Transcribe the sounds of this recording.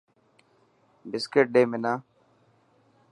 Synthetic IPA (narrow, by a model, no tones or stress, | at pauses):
bɪskeʈ̚ɖeːmenaː